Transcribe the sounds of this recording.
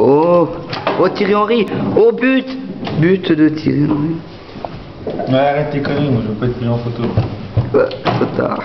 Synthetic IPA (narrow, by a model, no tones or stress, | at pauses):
o | ot̪iʁeɑ̃ʁiobyt̪byt̪d̪ət̪ʰiʁeɑ̃ʁi | malaʁɛt̪ekɔmĩmaʒəepɛt̪̚pizɑ̃fot̪o | ɛ̰t̪ot̪a̰l